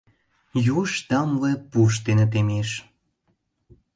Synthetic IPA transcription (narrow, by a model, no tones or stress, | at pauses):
juʃt̪ɑmlepuʃ̬t̪enet̪̬emeʃ